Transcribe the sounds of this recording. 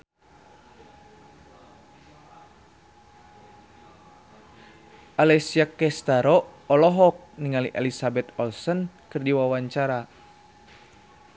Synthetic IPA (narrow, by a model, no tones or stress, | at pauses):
ʔalɛsiakɛst̪aɾɔɔlɔɦɔk̚niŋalḭʔɛlisabɛt̪ɔlsɔnkɨrdiwawaɲt͡ʃaɾa